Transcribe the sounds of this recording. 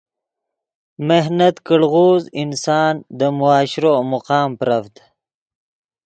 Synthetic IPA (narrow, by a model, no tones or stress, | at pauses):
mehnat̪kəɽɣoːzinsɑːnd̪əmʊɑːɕɾomʊqɑːmpɾafd̪